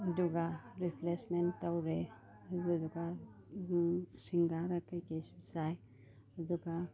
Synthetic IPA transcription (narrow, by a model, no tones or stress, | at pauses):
ɐduɡaɾipʰlesmentːawɾe | ɐɡaduɡa | siŋɡaɾakajkesbisaj | ɐduɡa